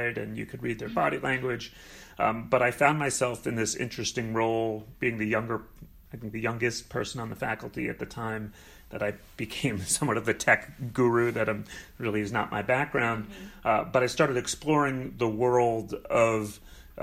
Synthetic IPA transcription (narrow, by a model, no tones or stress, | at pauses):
ɪɾɨ̰̃njɨ̰kʰɨd̚ɹid̪̚ðə˞bɑɾilæ̃ŋɡwɪdd͡ʒ | b̥ʌɾaɪfãʊ̃nmaɪsɛlˠfɨ̃nðɪsɪ̰̃nt͡ʃɹ̥ɨstɪ̃ŋɹoʊlˠb̥iɪ̃ŋðɨjʌ̃ŋɡə˞ | aɪθɪ̃ŋk̚ðɨjʌ̃ŋɡɨs̚pʰɜ˞sə̃nə̃nðəfækl̩ˠtiɨ̰t̪̚ðɨtʰãɪ̃m | ðɨɾaɪ | b̥ɨkʰẽɪ̃msʌ̃mwɑɾʌvðɨtʰɛkɡ̥uɹʉðɨɾɹɪlˠiɨznə̰t̚mʔa̰ɪbæk̚ɡ̥ɹãʊ̃ndbʌɾaɪstɑɹɾɨɾɨksplɔɹɪ̃ŋðəwɜ˞lˠdʌv̥